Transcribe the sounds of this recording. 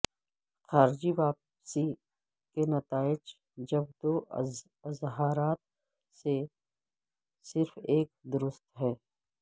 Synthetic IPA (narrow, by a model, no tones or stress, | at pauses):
xaːɾd͡ʒiʋaːp | si | kenɐt̪aːɪd͡ʒ | d͡ʒɐbd̪oː | ɐzɦaːɾaːt̪ | se | sɪɾfeːk̚d̪ʊɾʊst̪ɦɛː